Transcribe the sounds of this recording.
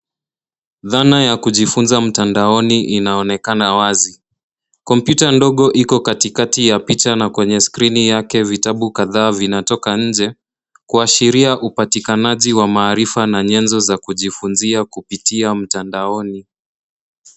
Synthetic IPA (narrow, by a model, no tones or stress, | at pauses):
ðanajakuʄifunzam̩tandaɔniʔinaɔnɛkanawazi | kɔmpjutandɔɠɔʔikɔkatikatijapitanakwɛɲɛskɾinijakɛvitaɓukaðaːvinatɔkaɲ̩d͡ʒɛ | kuaʃiɾiaʔupatikanaʄiwamaːɾifanaɲɛnzɔzakuʄifunziakupitiam̩tandaɔni